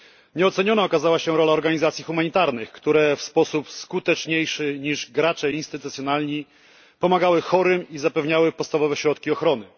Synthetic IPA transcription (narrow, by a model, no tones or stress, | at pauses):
ɲɛɔt̪sɛɲɔnaɔkazawaɕɛɾɔlaɔɾɡaɲizat̪sʲjixumaɲit̪aɾnɘxkt̪uɾɛfspɔsupskut̪ɛt͡ʂɲejʂɘɲiʐɡɾat͡ʂɛjinst̪ɘt̪ut̪sʲjɔnalɲi | pɔmaɡawɘxɔɾɘmizapɛvɲawɘpɔt̪st̪avɔvɛɕɾɔt̪kʲiɔxɾɔn̪ɘ